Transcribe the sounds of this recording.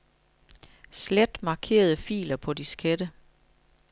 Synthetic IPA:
sled̥mɑ̈ːkʰe̝̰ːɐð̞̩ˠəfḭːlɐpʰɒ̽disɡ̥ʰed̥ə

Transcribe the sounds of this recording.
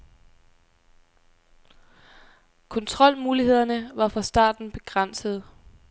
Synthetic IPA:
kʰɔ̽nt͡sʰʁɒ̽l̰muːlihe̝ð̰ˠɐnəʋɑ̈fʁɑ̈sd̥ɑ̰̈ːd̥n̩b̥e̝ɡ̥ʁan̰səð̞̩ˠ

